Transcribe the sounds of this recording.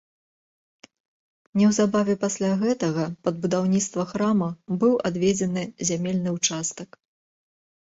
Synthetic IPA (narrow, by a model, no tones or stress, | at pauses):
nʲɛwzabavʲɛpasʲlʲaɣɛt̪ɐɣɐpɐd̪̚bud̪awnʲit̪st̪vɐxɾamɐbɨwad̪vʲɛd͡zʲɛnɨzʲamʲɛlʲnɨwt͡ʂast̪ɐk